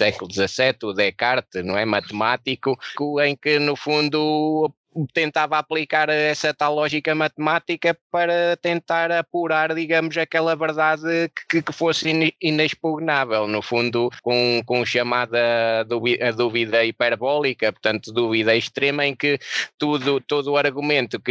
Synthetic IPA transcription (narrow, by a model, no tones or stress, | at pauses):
sɛkulˠud̪zɐsɛt̪uðɛkaɾt̪ɨnɐ̃w̃ɛmɐt̪ɨmat̪ikukuẽj̃kɨnufũnd̪u | t̪ẽnt̪avɐaplˠikaɾɛsɐt̪alˠɔʒikɐmɐt̪mat̪ikɐpɐɾɐt̪ẽnt̪aɾɐpuɾaɾðiɣɐmʊzɐkɛlˠɐvɨɾðaðɨkɨkɨfosineʃpuɣnavɛlˠnufũnd̪ukõkõʃɐmaðɐðuβiɐðuviðɐipɛɾβɔlˠikɐpʊɾt̪ɐ̃nt̪uðuviðɐiʃt̪ɾemɐẽkɨt̪uðut̪oðuɐɾɣumẽnt̪uk